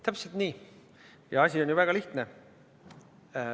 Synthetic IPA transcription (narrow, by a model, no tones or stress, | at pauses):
t̪æpselt̪niː | jɑɑsʲionʲjuvæɡ̥ɑliht̪ne